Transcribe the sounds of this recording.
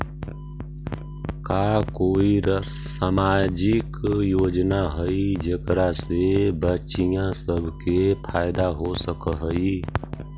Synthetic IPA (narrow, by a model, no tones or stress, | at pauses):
kaːkoːiɾsaːmaːd͡ʒɪkjoːd͡ʒnaɦəid͡ʒekɾasebət͡ʃijãsəbʱkepʰaːɪd̪aɦosəkɦəi